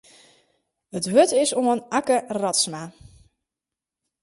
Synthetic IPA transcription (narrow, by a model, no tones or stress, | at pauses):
ətʋøtɪsoənakərɔtsma